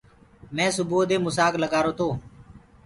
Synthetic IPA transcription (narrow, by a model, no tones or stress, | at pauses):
mɛ̃ːsʊboːd̪eːmʊsaːkləɠaːɾoːt̪oː